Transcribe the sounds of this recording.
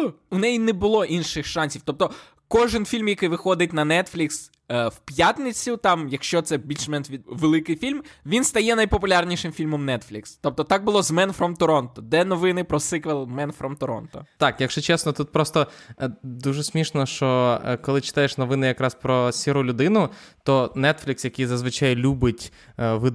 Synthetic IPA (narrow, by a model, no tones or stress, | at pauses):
ʊnɛjinɛbʊlˠɔʔinʃɪxʃɑnʲsʲiwt̪ɔp̚t̪ɔ | kɔʒɪnfʲilʲmjɐkɪjʋɪxɔd̪ɪt̚ʲnɐnɛt̪flʲiks | wpjat̪ʲnɪt͡sʲʊt̪ɑmjɐkʃt͡ʃɔt̪sɛbʲilʲt͡ʃmɛnʲiʋelˠɪkɪjfʲilʲmʋʲinst̪ɐjɛnɐjpɔpʊlʲɑrnʲiʃɪmfʲilʲmɔmnɛt̪flʲikst̪ɔp̚t̪ɔt̪ɑɡ̚bʊlˠɔzmɛnfɾɔmt̪ɔɾɔnt̪ɔd̪ɛnɔʋɪnɪpɾɔsɪkʋɛlˠmɛnfɾɔmt̪ɔɾɔ̰nt̪ɔ̰t̪ɑkjɐkʃt͡ʃɔt͡ʃɛsnɔt̪ut̪̚pɾɔst̪ɔ | d̪uʒɛsʲmʲiʃnɔʃt͡ʃɔkɔlˠɪt͡ʃɪ̥t̪ajeʃnɔʋɪnɪjɐkɾɑspɾɔsʲiɾʊlʲʊd̪ɪnʊt̪ɔnɛt̪flʲɪksjɐkɪjzɐzʋɪt͡ʃajlʲubɪtʲ | ʋɪ